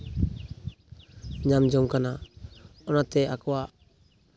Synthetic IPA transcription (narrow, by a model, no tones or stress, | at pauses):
ɲamd͡ʒɔmkana | ɔnat̪ɛakɔwa